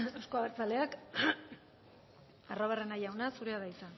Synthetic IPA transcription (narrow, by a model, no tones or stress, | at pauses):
awskoaβeɾt͡sale̞ak | aro̞βare̞najawnasuɾeaðajt͡sa